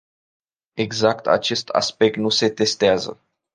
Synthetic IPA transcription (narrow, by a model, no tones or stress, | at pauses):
e̞ɡzakt̪ʰa̰t͡ʃe̞st̪ʰa̰spe̞k̚t̪nuse̞t̪e̞st̪eazə̰